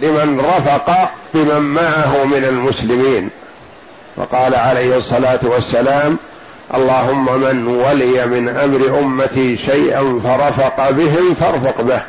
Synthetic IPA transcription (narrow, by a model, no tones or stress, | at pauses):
lɪmanɾˤɑfɑqɑbɪmamːaʕaɦʊmɪnalmʊslɪmiːn | fɑ̰qɑːlaʕalajhɨsˤːɑlaːt̪wasːalaːm | ʔɑ̰lˤːɑːɦʊmːamanwalɪjamɪnʔamɾɪʔʊmːat̪iːʃajʔanfɑɾˤɑfɑqɑbɪɦɪmfɑɾˤfɑqbɪh